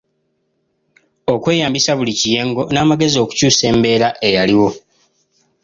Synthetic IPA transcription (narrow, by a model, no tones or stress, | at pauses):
okwe̞ːjaːmbisaβulicije̞ːŋɡo̞naːmaɡe̞zio̞ːku̥cuːse̞ːmbe̞ːɾaʔe̞jaliwo̞